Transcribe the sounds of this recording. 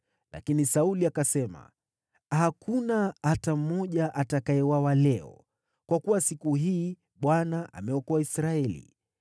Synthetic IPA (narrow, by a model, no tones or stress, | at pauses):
la̰kinisauliakasɛma̰ | hakʰunaatam̩ɔʄaʔatakaɛwawalɛɔ̰ | kwakuwasikuɦiː | ɓwanaʔa̰mɛɔkɔaisɾaɛlḭ